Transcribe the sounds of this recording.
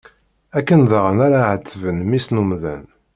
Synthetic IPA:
ækːənðʁənaɾaʕət͡s̪ːəvənmisnumðæ̰n

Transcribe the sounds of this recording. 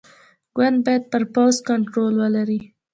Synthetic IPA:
ɡ̥wand̪̚bɑjad̪̚pəɾpawzkaɳʈɾolwəlaɾi

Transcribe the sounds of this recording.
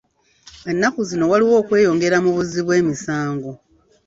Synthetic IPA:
e̞nːakuzino̞waliwo̞ːkwe̞ːjo̞ːŋɡe̞ɾamuβuziβwe̞ːmisaːŋɡo̞

